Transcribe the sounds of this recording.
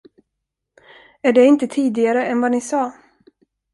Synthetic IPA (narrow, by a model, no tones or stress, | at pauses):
æɖɛɪnt̪ət̪ʰiːd̪ɪɡaɾəɛnvanɪsɑː